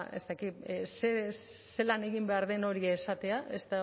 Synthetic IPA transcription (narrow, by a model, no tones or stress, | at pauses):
e̞̰st̪akit̪sese̞lane̞ɣimbe̞aɾðe̞no̞ɾiesat̪e̞aʔe̞st̪a